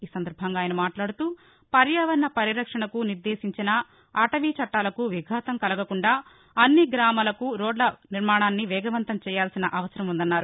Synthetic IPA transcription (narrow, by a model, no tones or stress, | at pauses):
iːsɐnd̪ɐɾbʱɐŋɡaːjɐnɐmaːʈlaːɽut̪uː | pɐɾjaːʋɐɾnɐpɐɾiɾɐkʂɐɳɐkuniɾd̪eːsiɲt͡ʃinɐ | aʈɐʋiːt͡ʃɐʈːaːlɐkuʋiɡʱaːt̪ɐmkɐlɐɡɐkuɳɖaː | ɐnːiɡɾaːmaːlɐkuɾɔːɖlɐniɾmaːɳaːnːiʋɛːɡɐʋɐnt̪ɐmt͡ʃɛːjaːlsinɐʔɐʋɐsɐɾɐmund̪ɐnːaːɾu